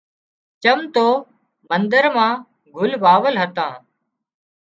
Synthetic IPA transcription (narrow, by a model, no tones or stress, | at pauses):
t͡ʃəmt̪oː | mənd̪əɾmãː | ɡʱʊlʋaːʋəlɦət̪ãː